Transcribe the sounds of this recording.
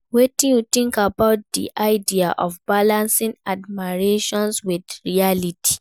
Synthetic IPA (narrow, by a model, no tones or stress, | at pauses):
wetĩjutĩŋkabaʊt̚d̪ḭʔaɪdiaʔɔfbalãnsĩŋadmiɹeʃɔ̃nswidɹialitʰi̥